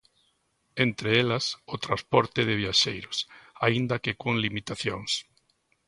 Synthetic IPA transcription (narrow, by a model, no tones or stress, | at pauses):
ent̪ɾɪelɐsʊt̪ɾaspɔɾt̪ɪðɪβ̞iaʃejɾʊsaind̪ɐkɪkoŋlimit̪aθjoŋs